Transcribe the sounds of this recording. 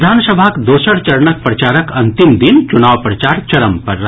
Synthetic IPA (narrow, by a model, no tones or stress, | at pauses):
d̪ʱaːnsəbʱakd̪oːsəɽt͡ʃɐɾɳək̚pɾɐt͡ʃaːɾəkɐ̃nt̪ɪmd̪ɪnt͡ʃʊnaːʋpɾɐt͡ʃaːɾt͡ʃɐɾəmpɐɾː